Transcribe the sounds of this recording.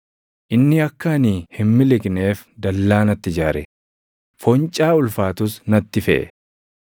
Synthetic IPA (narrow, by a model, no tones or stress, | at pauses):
ʔɪnːɪɐkːɐniːhɪmmɪlɪkne̞ːfd̪ɐlːaːnɐt̪ːɪd͡ʒaːɾɛ̰ | fɔnt͡ʃʼaːʊlfaːt̪ʊsnɐt̪ːɪfɛ̰ʔɛ̰